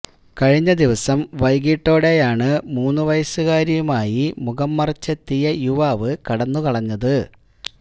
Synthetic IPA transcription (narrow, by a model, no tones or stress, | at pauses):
kɐɻiɲːɐd̪iʋɐsɐmʋɐjɡiʈːo̞ːɽe̞jaːɳɨmuːnːuʋɐjɐsuɣaːɾjɐjumaːjimuɣɐmːɐrt͡ɕːɐt̪ːijɐjuʋaːʋɨkɐɽɐnːukɐɭɐɲːɐðɨ